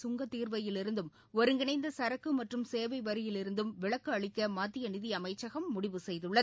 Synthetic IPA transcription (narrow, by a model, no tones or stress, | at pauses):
sʊŋɡɐt̪ːiːɾʋɐjɪlɪɾɯnd̪ɯm | ɔɾɯŋɡɪnɐɪnd̪ɐsɐɾɐkːɯmɐʈrɯmseːʋɐɪʋɐɾɪjɪlɪɾɯnd̪ɯmʋɪɭɐkːɯɐɭɪkːɐmaːt̪ːɪjɐnɪðɪɐmɐɪt͡ʃːɐɣɐmːʊɽɪʋɯsɛjðɯɭːɐ